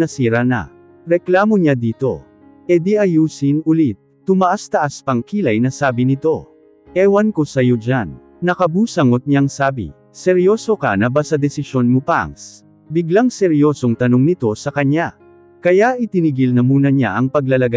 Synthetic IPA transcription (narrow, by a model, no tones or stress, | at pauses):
nɐsiːɾɐnɐ̰ | ɾɛklaːmoɲad̪iːt̪o̞̰ | ʔɛd̪iʔɐjuːsinʊlit̪̚ːʊmɐʔast̪ɐʔaspɐŋkiːlɐjnɐsaːbɪnɪt̪o̞ | ʔɛːwɐnkosɐjod͡ʒanː | ɐkɐbuːsɐŋot̪̚ɲaŋsaːbḭ | sɛɾjo̞ːso̞kɐ̰nɐbasɐd̪ɛsɪʃo̞nmopa̰ŋs | bɪɡlaŋsɛɾjo̞ːso̞ŋt̪ɐnoŋnɪt̪o̞sɐkɐɲa | kɐjaʔɪt̪ɪniɡɪlnɐmuːnɐɲa̰ʔɐŋpɐɡlɐlɐɡa